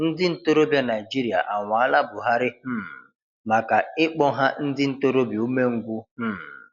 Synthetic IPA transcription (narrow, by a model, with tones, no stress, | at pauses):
n̩˦dɪ˦n̩˦to˦ɾo˦bja˦na˨i˨d͡ʒi˦ɾi˨a̰˨ʔa˨ŋʷa˨a˦la˦bʊ˨ɦa˦ɾɪ˦h̩˦˨ | ma˨ka˨ɪ˦k͡pɔ˦ɦa˦n̩˦dɪ˦n̩˦to˦ɾo˦bju˦me˦ŋ̩˦ɡʷʊ˦h̩˦˨